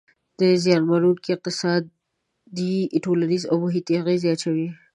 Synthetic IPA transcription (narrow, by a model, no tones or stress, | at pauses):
d̪̥əzjɑnmaɾukeq̚t̪ɪsɑd̪ | d̪iɪʈʰolaɾizo̰boɦit̪iɣezjɑt̪ʃawi